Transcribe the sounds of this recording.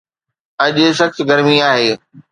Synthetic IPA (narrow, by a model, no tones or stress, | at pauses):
ɐʄʊ̆ʃɐxsɡɐɾmiaːɦeː